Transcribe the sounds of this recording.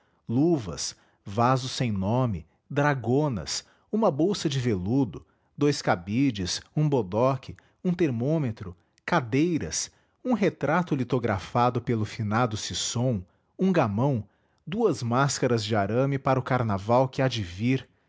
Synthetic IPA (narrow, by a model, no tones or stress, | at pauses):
luvɐ̰s | vazʊsẽj̃nõmɪ | d̪ɾaɡõnɐ̰s | ũmɐbowsɐd͡ʒɪvelud̪ʊ | d̪ojskabid͡ʒɪsũbod̪ɔkʰɪ | ũt̪eɾmõmet̪ɾʊ | kad̪ejɾɐs | ũɦet̪ɾat̪ʊlit̪oɡɾa̰fad̪ʊpelʊfinad̪ʊsisõw̃ | ũɡamɐ̃w̃ | d̪uɐzmaskɐɾɐzd͡ʒɪaɾɐ̃mɪpaɾɐʊkaɾnavawkɪad͡ʒɪviɾ